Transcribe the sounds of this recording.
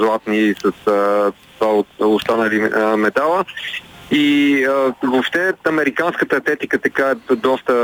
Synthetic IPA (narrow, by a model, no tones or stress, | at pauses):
zlˠat̪nisɐs | vaot̪ʊst̪anəlimɛt̪alˠə | iəvopʃt̪ɛɐmɛɾikanskət̪əɐt̪ɛt̪ikət̪ɐkaɛd̪ɔst̪ə